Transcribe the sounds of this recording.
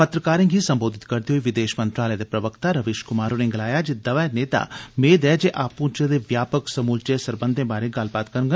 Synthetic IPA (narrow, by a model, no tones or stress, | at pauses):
pət̪ɾəkaːɾẽːɡɦisɐ̃mboːd̪ʱɪt̪kɐɾd̪ioiʋɪd̪eːʃmə̃nt̪ɾaːləjad̪eːpɾɐʋəkt̪aɾɐʋeːʃkʊmaːɾoːneŋɡɪlaːjad͡ʒed̪ɐʋaːneːt̪a̰ːmeːd̪ɛd͡ʒeːʔaːpũːt͡ʃed̪eʋjaːpəksɐmuːlt͡ʃesɐɾbə̃nd̪ʱẽːbaːɾeɡaːlbaːt̪kəɾŋɡə